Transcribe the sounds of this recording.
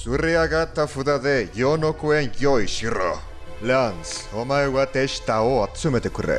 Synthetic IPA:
sureaɣat̪afuðaðeʝonokoenʝojʃiro̰ | leant͡somaewβat̪eʃt̪aoat̪t͡sumet̪ekurḛ

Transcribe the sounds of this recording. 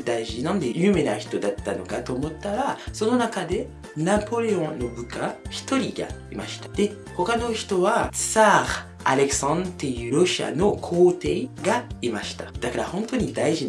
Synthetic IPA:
d̪aiʑinãnd̪e̞jɯːme̞naçi̥t̪o̞d̪at̪ːano̞kat̪o̞ːmo̞t̪ːaɾaso̞no̞nakad̪e̞ | napo̞ɾe̞õ̞nːo̞bɯ̟kaçi̥t̪o̞ɾʲiɡa̰imaɕi̥t̪ḁd̪̥e̞ | ho̞kano̞çi̥t̪o̞βat͡saɾ | a̰ɾe̞ksãnt̪ejɯ̟ɾo̞ɕia̰no̞kʰo̞ːt̪e̞iɡaimaɕi̥t̪ad̪̥akaɾahõ̞nt̪o̞ɲ̟id̪aiʑi

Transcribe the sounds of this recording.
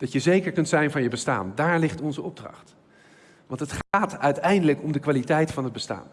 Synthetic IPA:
d̥ɑtjəzejkəɹkɵntsɛjnvɑnjəbəsta̰ːndaːɹlɪχtɔnzəɔb̚drɑ̰χt | ʋɑntətχaːtœɥtɛjndələkɔmdəkʋaːlitɛjtfɑnɦəd̚bəsta̰ːn

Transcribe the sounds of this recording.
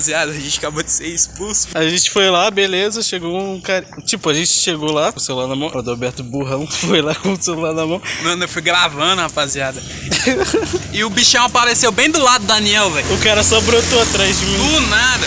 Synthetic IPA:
ziad̪ɐaʒẽnt͡ʃḁkabod͡ʒɪseɾisʊ̥pusʊ̥aʒẽnt͡ʃɪ̥fojlabelezɐʃeɡowũkaɾit͡ʃipʊaʒẽt͡ʃɪ̥ʃeɡolasewlanɐmɐ̃w̃d̪oobɛɾt̪ʊbuɦɐ̃w̃fojlakõsewlanɐmɐ̃w̃mɐ̃newfujɡɾavɐ̃d̪ʊhapaziad̪ɐ | ɪʊbiʃɐ̃w̃apaɾesewbẽj̃d̪ʊlad̪ʊd̪ɐniɛwvɛ̃j̃ʊkaɾɐsɔbɾot̪oat̪ɾajzd͡ʒɪmĩũnad̪ɐ

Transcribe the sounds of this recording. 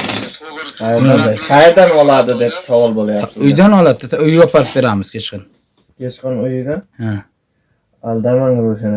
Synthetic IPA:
qʰɑjaajʰɑjɾd̪anɒlˠad̪ɪd̪ep̚sɒwɒlˠbolajap̪ʊjd̪anɒlˠat̪ɪt̪ʊjɒpʰaɾɪp̚be̞ɾamɪz̥kʲʰet͡ʃqɨn | kʲʰet͡ʃqɨnʊjɪd̪aha | ald̪amaŋɡɾoʃɪn

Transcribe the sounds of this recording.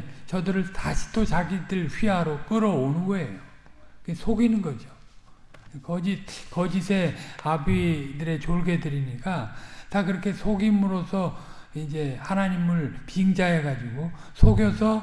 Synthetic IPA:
t͡ɕʌdɯɾɯɭtaɕʰi̥t͈ot͡ɕaɡidɯɭɸɥiɦaɾok͈ɯɾʌonɯɡʌe̞jo | kesʰoɡinɯnɡʌd͡ʑo | kʌd͡ʑikʌd͡ʑisʰe̞abidɯɾe̞t͡ɕoɭɡe̞dɯɾiɲik͈atakɯɾʌkʰe̞sʰoɡimɯɾosʰʌ | ind͡ʑe̞hanaɲimɯɭpiŋd͡ʑaɦe̞ɡad͡ʑiɡosʰoɡjʌsʰʌ

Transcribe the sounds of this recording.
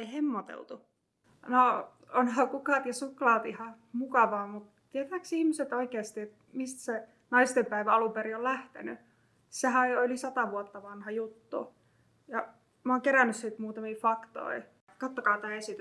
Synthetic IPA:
ihemːot̪ḛlt̪u | no | onɦɑːkukɑːt̪jɑsuklɑːt̪ihɑ | mukɑʋɑːmut̪ | t̪ːiet̪æːksihmiset̪oikeːst̪iet̪ | mist̪se | nɑist̪empæiʋæɑlumpeɾiollæht̪ḛny̰ | seɦæylisɑt̪ɑʋuot̪ːɑʋɑnhɑjut̪ːṵ | jɑ | moːŋkeɾænːyssiːt̪muːt̪ɑmiːfɑkt̪o̰i | kɑt̪ːokɑːt̪æːesit̪y

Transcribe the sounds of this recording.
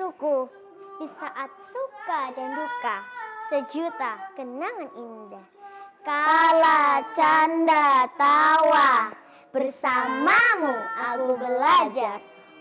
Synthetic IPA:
ɾuku | disaʔat̪̚sukadandukasəd͡ʒut̪akənaŋanindahkalat͡ʃandat̪awa | b̥ərsamamukakubəlad͡ʒar

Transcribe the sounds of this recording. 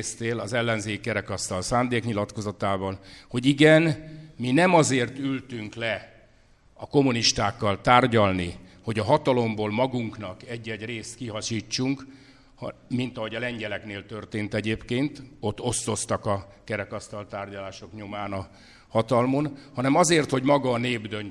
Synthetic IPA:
st̪eːlɒzɛlːɛnzeːkːɛɾɛkɒst̪ɒlsaːnd̪eːkɲilɒt̪ko̞zɒt̪aːvɒlho̞ɟiɡɛnminɛmɒzeːrt̪ylt̪yŋklɛ | ɒko̞muniʃt̪aːkːɒlt̪aːrɟɒlniho̞ɟɒɦɒt̪ɒlo̞mboːlmɒɡuŋknɒkɛɟːɛɟreːst̪kiɦɒʃiːt͡ʃːuŋk | hmint̪ɒɦo̞ɟɒlɛɲɟɛlɛkneːlt̪ø̞rt̪eːnt̪ɛɟeːpkeːnt̪o̞t̪ːo̞st̪o̞st̪ɒkɒkɛɾɛkɒst̪ɒlt̪aːrɟɒlaːʃo̞kɲomaːnɒ | hɒt̪ɒlmo̞nhɒnɛmɒzeːrt̪ho̞ɟmɒɡɒːneːbd̪øn

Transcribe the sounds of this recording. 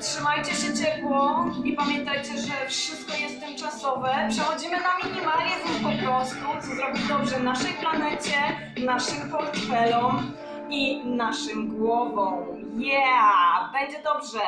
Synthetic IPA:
tʂɘmajt͡ɕɛɕɛt͡ɕɛpwɔipamʲjɛnt̪ajt͡ɕɛʐɛfʂɨst̪̚kɔjɛst̪ːɨmt͡ʂasɔvɛpʂɛxɔd͡ʑimɘnamʲiɲimalɲɛzaspɔpɾɔst̪ut̪sɔzɾɔbʲid̪ɔbʐɛvnaʂɛjplanɛt͡ɕɛ | naʂɘmpɔɾt̪fɛlɔm | inaʂɨmɡwɔvɔ̃w | jabɛɲd͡ʑɛd̪ɔbʐɛ

